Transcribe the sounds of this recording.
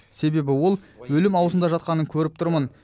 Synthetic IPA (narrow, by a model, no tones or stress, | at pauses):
se̞be̞bɪwo̞lˠwɵlɪmɑwəzənd̪ɑʒɑt̪̚qɑnəŋkʲʰɵɾɪp̚t̪ʰʊɾmən